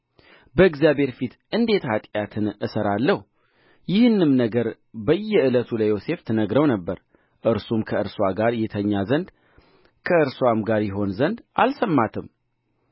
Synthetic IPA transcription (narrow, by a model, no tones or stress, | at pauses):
bəɨɡzjabhe̞ɾfit̪ʔɨnd̪e̞t̪hat̪ʼjat̪ʰɨnɨsəɾalːəhu | jɪhɨnːɨmnəɡəɾ | bəjːɛɨlət̪ʰulajo̞se̞ft̪ʰɨnəɡɾəwnəbːəɾ | ʔɨɾsumkʰəɨɾswaɡaɾjɛt̪ʰəɲːazənd̪ | kʰəɨɾswamɡaɾjɪɦo̞nzənd̪ʔa̰lsəmːat̪ʰɨm